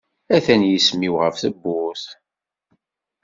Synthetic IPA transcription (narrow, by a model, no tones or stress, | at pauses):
æθænjəsmiwʁəfθəbːʊθ